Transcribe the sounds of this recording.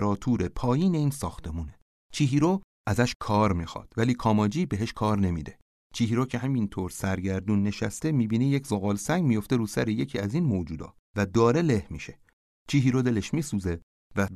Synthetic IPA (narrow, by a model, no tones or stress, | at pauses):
ɾɒːt̪ʰuːɾepʰɒːjiːne̞iːnsɒːxt̪ʰe̞muːne̞ | t͡ʃʰiːɦiːɾo | ʔæzæʃkʰɒːɾmiːxɒ̰ːd̪̥væliːkʰɒːmɒːd͡ʒiːbeɦe̞ʃkʰɒːɾne̞mḭd̪e̞ | t͡ʃʰiːɦiːɾoːcʰe̞ɦæmint̪ʰoɾsæɾɟæɾd̪uːnːe̞ʃæst̪e̞miːbiːnejecʰzoɣɒːlsæŋɟmijo̞ft̪e̞ɾuːsæɾeje̞cʰiːæzinmoːd͡ʒuːd̪ɒ̰ː | væd̪ɒːɾe̞le̞hmḭʃe̞ | t͡ʃʰiːɦiːɾod̪e̞leʃmiːsuze̞ | væ